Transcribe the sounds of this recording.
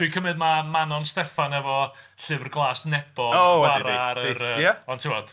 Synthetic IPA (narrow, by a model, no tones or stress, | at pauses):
d̥wikʰəmɨd̚mamanɔnstɛfanɛvɔ | ɬɨvrɡlˠaːsnɛb̥ɔowaɾaɾəɾəjɛɔntʰɪwɔd̥